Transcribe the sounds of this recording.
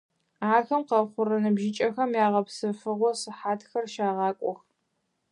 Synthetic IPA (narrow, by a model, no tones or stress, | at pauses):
aːxɐmqɐχʷʊɾɐnɨbʒɪt͡ʃʼɐxɐmjaːʁɐpsɨfɨʁʷɔsɨħaːtxɐrʃaːʁɑːkʷʼɔx